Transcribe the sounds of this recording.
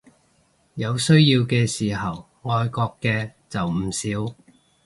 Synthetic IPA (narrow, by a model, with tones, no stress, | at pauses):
jɐ˨˧wsɵ˥ɥjiː˧wkɛː˧siː˨˩ɦɐ˨w | ŋɔː˧jkɔː˧kːɛː˧t͡sɐ˨wm̩˨˩siː˨˥w